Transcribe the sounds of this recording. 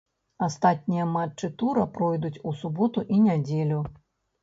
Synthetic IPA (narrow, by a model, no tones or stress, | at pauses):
ast̪at̪̚ʲnʲijɐmat͡ʂt͡ʂːɨt̪uɾɐpɾɔjd̪ut͡sʲusubɔt̪uʔinʲad͡zʲelʲu